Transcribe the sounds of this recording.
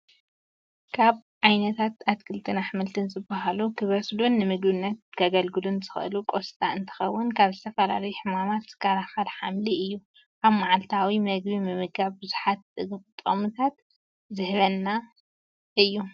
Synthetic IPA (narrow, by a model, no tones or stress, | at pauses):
kʰaβʕajnɐt̪ʰat̪at̪kʰɨlt̪ʰɨnaħmɨlt̪ʰɨnzɨbaɦalukʰɨβɐslunːɨmɨɡbɨnːɐt̪̚kʰɐɡɐlɡɨlunzɨxʔɨ̰lukʼo̞st̪ʼaɨnt̪ʰɨ̥xɐwːʊnkʰaβzɨt̪ʰɐfɐla̰lɐjuħɨmamat̪z̥ɨ̥kʰaɾaxalħamliɨjːu | kaβmaʕalt̪ʰawimɐɡbimɨmɨɡaβbɨzu̥ħat̪̚ɨɡɨkʼɨt̪ʼːɐ̰mɨt̪ʰat̪ | zɨhβɐnːa | ʔɨjːu